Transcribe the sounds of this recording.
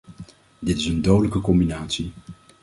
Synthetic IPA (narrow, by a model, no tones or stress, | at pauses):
dɪtɪsəndowdələkəkɔmbinaːtsi